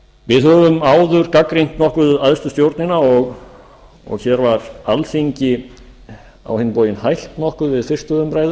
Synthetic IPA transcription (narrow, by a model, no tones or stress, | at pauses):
vɪðhœvʏmaːwðʏɾ̥kakɾiŋ̥t̪nɔhkʏðaðst̪ʏst̪jowɾt̪nɪnaɔɣ | ɔ̰ɣçɛɾvaɾalθiɲcɪ | a̰whɪnːɪpoːwjɪnhajl̥t̪nɔhkʏðvɪðfɪr̥st̪ʏðʏmpɾaːjðʏ